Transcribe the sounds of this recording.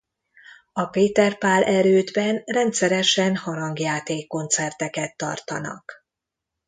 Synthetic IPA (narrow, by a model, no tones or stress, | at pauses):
ɒpeːt̪ɛrpaːlʔɛɾøːd̪bɛnrɛnt̪sɛɾɛʃɛnhɒɾɒŋɡjaːt̪eːkːo̞nt̪sɛrt̪ɛkɛt̪ːɒ̰rt̪ɒ̰nɒ̰k